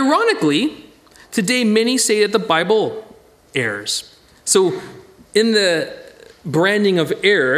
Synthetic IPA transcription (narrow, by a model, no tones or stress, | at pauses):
aɪɹɑnɨkli | tʰɨdeɪmɛnisteɪɾɨt̪̚ðəbaɪbl̩ˠ | ɛɹz̥ | soʊɨ̃nðɨ | bɹæ̃ndɪ̃ŋʌvɛɹ